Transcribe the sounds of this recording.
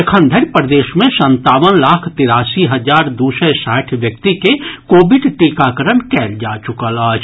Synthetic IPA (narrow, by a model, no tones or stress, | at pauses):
kʰə̃nd̪ʱəɾpɾəd̪eːʃmẽsə̃nt̪aːʋənlaːkʰt̪ɪɾaːsiɦɐzaːɾd̪uːsəsaːʈʰʋjəkt̪ikekoːbɪɖʈiːkakəɾəɳkɛːld͡ʒaːt͡ʃʊkəlaːt͡ʃʰ